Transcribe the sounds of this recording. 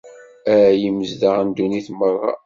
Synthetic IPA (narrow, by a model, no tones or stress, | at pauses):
æɾæjəməzd̪əʁənd̪uniθmərˤːɑ̰